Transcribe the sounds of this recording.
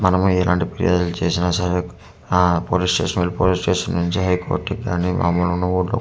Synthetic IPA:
mɐnɐmuɛlʔaːɳʈipeɾḭjʔoːd̪ulut͡ʃe̞ːsinaːsɐɾe | poːlisʈeːʂɐnɐlupoːlisʈeːʂɐnnuɲt͡ʃiɦɐjko̰ːʈːikɡaːnimʔa̰ːmːɐlunːɐuːɽlo̰

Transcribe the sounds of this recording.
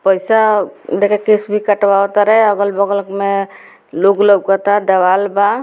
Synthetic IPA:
pəjsad̪ekʰakesbʱikəʈʋawt̪aɾəɛəɡəlbɔɡəlkme | loɡləb̚kət̪ad̪əwalba

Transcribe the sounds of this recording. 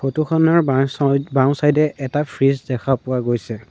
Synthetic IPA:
kʰotuxʰɔnɔɹ | bãw̃sajdɛʔɛtapʰɹizdɛkʰapʊwaɡojsɛ

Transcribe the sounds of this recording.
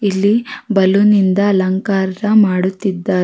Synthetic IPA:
ilːibɐlunind̪ɐːlɐŋkaːɾɾɐmaːɽut̪ːid̪ːaː

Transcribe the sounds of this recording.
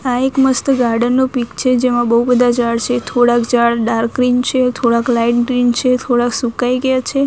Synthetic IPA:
aekməst̪əɡaɾɖənːopikt͡ʃʰed͡ʒemãbəɦubəd̪ʱad͡ʒaɭt͡ʃʰet̪ʰoɽãkd͡ʒaɭɖaɾkɾint͡ʃʰet̪ʰoɽãklaiʈɡɾint͡ʃʰet̪ʰoɽaksukajɡəjat͡ʃʰe

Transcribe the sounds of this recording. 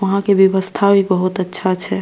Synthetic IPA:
ʋəɦãkebjəʋəst̪ʰabʱibəɦut̪ətːʃʰat͡ʃʰɛ

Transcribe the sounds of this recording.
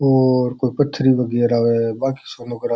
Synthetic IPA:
oːɾkoːipət̪ʰːɾiːʋəɡɛːɾaːʋeːbaːki̥ːsoːmʊɡɾaː

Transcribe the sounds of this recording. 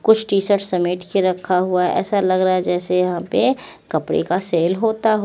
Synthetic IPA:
kʊt͡ʃʰʈiːsəʈsɐmeːʈkeɾɐkʰːaɦuaɛɛ̰ːsalɐɡɾɐaɦɛd͡ʒɛːsejɐɦãpe | kɐpɽḛkaseːlɦoːt̪aɦ

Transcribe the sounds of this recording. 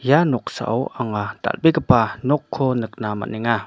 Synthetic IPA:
janɔk̚sa̰ʔwaŋata̰lbikəpanɔkʰːɔnɯk̚nama̰niŋa

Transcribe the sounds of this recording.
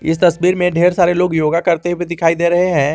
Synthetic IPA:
ɪ̰st̪ɐsbiːɾmẽɖʱeːɾsaːɾeloːɡjoːɡakɐɾt̪ewid̪ɪkʰaːid̪eːɾɐɦeɦɛ̃ː

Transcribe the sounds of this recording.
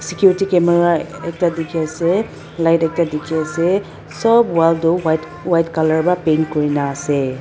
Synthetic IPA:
sikjuɾitikemeɾaek̚tadikʰiase | lajtɛk̚tadikʰiase | sɔbwaldowajt | wajtkalaɹbapenkɔɾinaːse

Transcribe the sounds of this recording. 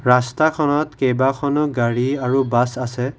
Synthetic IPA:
ɹastakʰɔnɔtkejbakʰɔnɔɡaɹiaɹubasasɛ

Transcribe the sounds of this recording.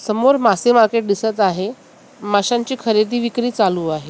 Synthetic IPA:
səmoɾmasemaɾkeʈ̚d̪isət̪aɦe | maɕaɲt͡ɕiːkʰəɾed̪ʱiːʋikɾiːt͡saluːaɦe

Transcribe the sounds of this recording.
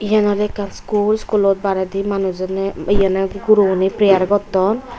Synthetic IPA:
ijanɔlekanskulskulɔt̪̚baɾad̪imanuzɔneijanaɡuɾuɔnipɾijaɾɡɔt̪ːɔn

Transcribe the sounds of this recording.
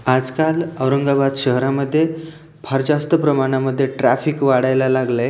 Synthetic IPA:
ad͡zkaləwɾəŋɡabad̪ɕəɦɾaməd̪ʱːje | bʰaɾd͡ʑast̪əpɾəmaɽ̃aməd̪ʱːjeʈɾafikʋaɽajlalaɡlə

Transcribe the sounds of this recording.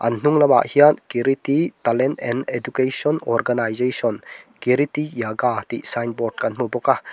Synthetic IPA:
a̰nnuŋlɐba̰ʔhijankiɾit̪it̪alentɛnedukesɔnɔ̰ɾɡanajzejsɔnkiɾit̪ijaɡat̪iʔsajn̚bɔɾʈ̚kanmubɔka

